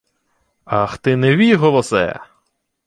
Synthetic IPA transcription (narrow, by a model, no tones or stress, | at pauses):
axt̪ɪnɛʋʲijɦɔlˠɔsɛ̰